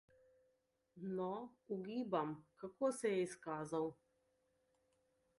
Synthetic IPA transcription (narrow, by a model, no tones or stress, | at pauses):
nɔuɡiːbamkakoːsɛjɛiskaːzaw